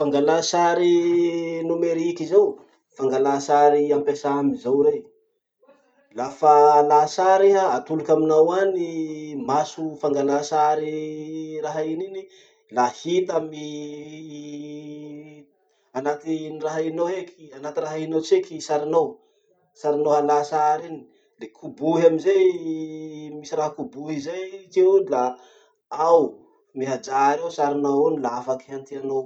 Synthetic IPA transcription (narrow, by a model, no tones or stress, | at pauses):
faŋɡalasaɾi | numeɾikizaw | faŋɡalasaɾiampesaamizawɾe | lafalasaɾeɦaat̪ulukʲaminawanimasufaŋɡalasaɾiraɦainini | lahit̪ami | anat̪iniraɦainoekʰianat̪iraɦainot͡sekisaɾinow | saɾinoalasaɾini̥ | lekʰubuɦaminzej | misiraɦakubuɦizajt̪eunla | aw | miɦad͡ʒaɾewsaɾinawunilaafakiant̪iano